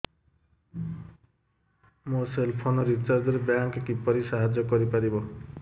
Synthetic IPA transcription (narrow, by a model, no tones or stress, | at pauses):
moselpʰonɔɾit͡ʃaɾd͡zʌɾebjaŋkkipʌɾisaɦad͡ʒjɔkʌɾipaɾibo